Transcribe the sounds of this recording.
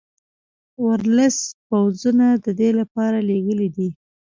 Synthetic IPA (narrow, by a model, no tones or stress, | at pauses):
waɾləspawzunad̪əd̪elapɑɾaleɡəlid̪i